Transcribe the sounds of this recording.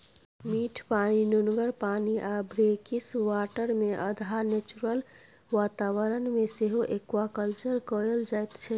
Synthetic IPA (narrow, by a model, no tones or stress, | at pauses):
miʈʰpaninunɡəɾpaniʔabʱɾekiswaʈəɾmeʔə̰d̪ʱanet͡ʃuɾəl | ʋat̪awəɾənmeseɦoʔekwakəlt͡ʃəɾkɔeld͡ʒajt̪t͡ʃʰɛ